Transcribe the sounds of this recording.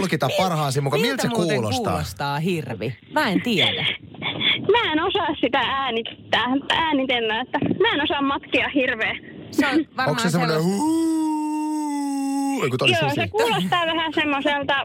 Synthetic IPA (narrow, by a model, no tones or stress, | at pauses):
lkit̪ɑppɑrhɑːsimukːɑmilt̪sekkulost̪ːɑ̰ːost̪ɑːhirʋi | mæent̪iælæ | mæːenosɑˑːssit̪ææːnit̪ːæːmt̪ːæːnit̪elːæːet̪ːæmæːenosɑmmɑt̪kiɑhirʋeː | snʋɑromɑssesemmonehu | eikot̪oljosekuːlost̪ɑːʋæhæsemːoselt̪ɑ